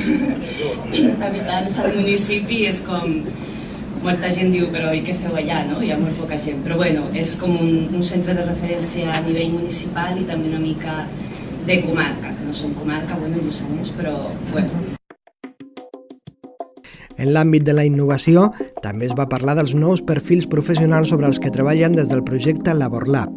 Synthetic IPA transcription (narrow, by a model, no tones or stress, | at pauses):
kaβit̪ansaðmunisipieskɔmː | olˠt̪aʒend̪iwpeɾɔojkefɛwaʎanoiamolpɔkaʒempeɾɔβwenuʔeskɔmunːnsent̪ɾeð̞erefeɾɛnsjaːniβ̞eʎmunisipalit̪ambeunamikaðəkumaɾkakenosoŋkumaɾkaβwenuemusaɲespɾɔbwɛnu | ənlambit̪̚d̪ələinːuβ̞asiot̪ambezβapaɾlaðəlˠznɔwspəɾfilˠspɾufəs̬iunalˠsːoβɾəːlˠskət̪ɾəβ̞aʎənd̪ezðəlˠpɾuʒɛk̚t̪ələβoɾla̰p